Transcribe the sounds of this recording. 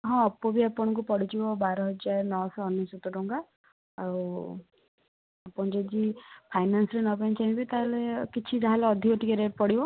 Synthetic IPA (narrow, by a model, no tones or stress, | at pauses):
ɦɔ̃ːpːɔbiapɔɽ̃ɔk̬upɔɽ̤it͡ʃʰibɔbaɾɔɦɔd͡ʒaɾnɔɔsɔːnjɔsut̪ɔʈuŋkaː | u | apɔɽ̃d͡ʒed͡ʒipʰajnansɾenɔpajnt͡ʃʰaɦĩbit̪aɦelekit͡ʃʰid͡ʒaɦaleɔd̪ʱikɔʈikeɾeʈ̚pɔɽibɔ